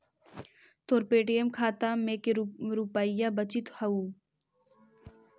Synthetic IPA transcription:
t̪oːɾpeːʈiemkʰaːt̪aːmẽːkeɾupaːɪjaːbət͡ʃɪt̪həuː

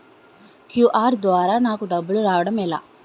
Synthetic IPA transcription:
kjuːʔaːɾd̪ʋaːɾaːnaːkuɖɐbːuluɾaːʋɐɽɐmɛla̰ː

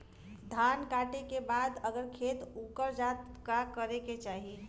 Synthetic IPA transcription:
d̪ʱankaʈekebad̪əɡəɾkʰet̪ukəɾd͡ʒat̪kakəɾeket͡ʃaɦi

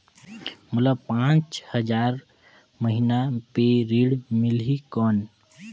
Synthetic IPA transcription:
mələbpãt͡ʃhəd͡ʒaɾ | məɦinapeɾiɽmilikɔːn

